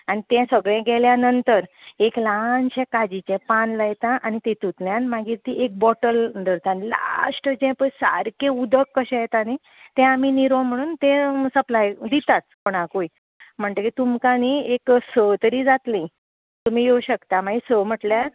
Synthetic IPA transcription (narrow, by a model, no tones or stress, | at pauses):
añit̪ɛ̃səɡɭɛ̃ɡʱɛljanənt̪əɾeklanɕɛ̃kad͡ʑit͡ɕɛ̃panləjet̪aʔanit̪ẽt̪ut̪ljanmaɡiːɾt̪iʔek̚bɔʈəld̪əɾt̪anla̰sʈəd͡ʑɛ̃pəsa̰ɾkẽud̪ʱəkːəɕɛ̃jet̪ani | t̪ɛ̃aminiɾõm̤əɽ̃uːnt̪ẽsəplajd̪it̪at͡s̪pɔɽ̃ãkui | m̤əɳt̪əkit̪umkanieksət̪əɾid͡zat̪lĩ | t̪um̤iːjowɕəkt̪amaɡisəm̤əʈljaɾ